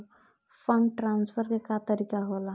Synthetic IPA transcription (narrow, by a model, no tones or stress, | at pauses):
fəɳʈɾansfʰəɾkekat̪əɾikaɦola